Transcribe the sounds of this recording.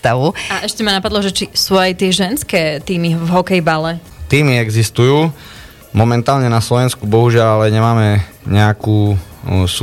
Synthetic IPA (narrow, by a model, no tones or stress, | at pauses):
t̪aʋuaʔɛʃcɛmanapad̪lˠɔʒɛt͡ʃisuajt̪ɪɛʒɛnskɛːt̪iːmivɦɔkɛjbalɛt̪iːmiɛɡzist̪ujuː | mɔmɛnt̪aːlɲɛnaslɔʋɛnskubɔɦuʒɪaʎalɛɲɛmaːmɛ | ɲɛakuːs